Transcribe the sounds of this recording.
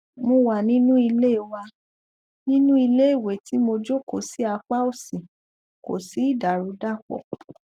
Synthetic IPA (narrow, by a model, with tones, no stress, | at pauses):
mõ˧wa˨nĩ˦nũ˦i˧le˦˨wa˧ | nĩ˦nũ˦i˧le˦i˦˨we˨ti˨˦mo˧d͡ʒo˦˨ko˨si˨˦a˧k͡pa˦o˦˨sĩ˨ | ko̰˨si˨˦i˦˨da˨ɾu˨˧˦da˦˨k͡pɔ̰˨